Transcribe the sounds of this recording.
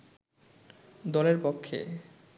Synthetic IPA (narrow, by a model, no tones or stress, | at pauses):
d̪ɔleɾpokʰːḛ